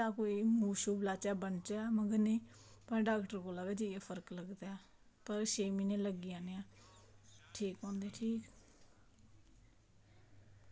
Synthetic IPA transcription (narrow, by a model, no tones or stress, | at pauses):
aːkoːiːmuːʃuːblaːt͡ʃɛːbəɳt͡ʃaaːməɡəɾnẽː | pəɾɖaːkʈəɾkoːlaːʋɛːd͡ʒiepʰəɾkləɡd̪aːɛː | pəɾʃeːmiːnẽːləɡiãːneːãː | ʈʰiːkɦɔ̃ːnd̪eːʈʰiːk